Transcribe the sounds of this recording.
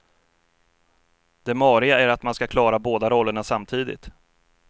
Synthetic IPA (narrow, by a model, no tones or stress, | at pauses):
d̪̥ɛmɑːɾɪɡaæɾat̪manskakʰlɑːɾaboːd̪aɾɔlːəɳasamt̪ʰiːd̪ɪ̰t̪